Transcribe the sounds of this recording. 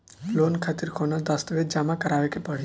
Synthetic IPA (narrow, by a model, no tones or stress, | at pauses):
loːnkʰat̪ɪɾkʰoːnad̪ɐst̪ʋed̪̚d͡ʒamakəɾaːʋekʰepɐɽ̤i